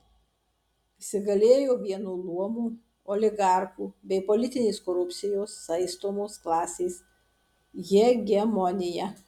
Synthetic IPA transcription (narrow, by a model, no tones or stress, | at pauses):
ɪsʲɪɡɐlʲeːjoːʋʲiɛnuːlˠuɔmuː | ɔlʲɪɡɑˑɾkuːbʲɛɪpɔlʲɪt̪ʲɪnʲeːskoɾʊpʲt̪sʲɪjoːsːɐɪst̪oːmoːsklˠɑːsʲeːs | jʲɛɡʲɛmɔnʲɪjɛ